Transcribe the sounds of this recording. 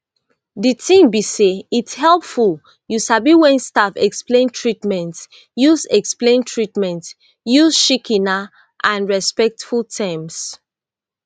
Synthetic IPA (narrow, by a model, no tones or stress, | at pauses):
ditʰĩmbiseitshɛlpful | juʃabiwɛ̃nstafɛ̰ksplẽntʰɹitmɛ̃nt | jusɛksplẽntʰɹitmɛ̃nt | juzʃikʰĩna | ʔãnɹɛspɛk̚tfultʰãms